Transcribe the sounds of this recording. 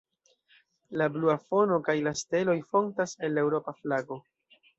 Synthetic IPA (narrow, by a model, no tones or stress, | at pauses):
labluafo̞no̞kajlaste̞lo̞jfo̞ntase̞nːe̞wɾo̞paflaɡo̞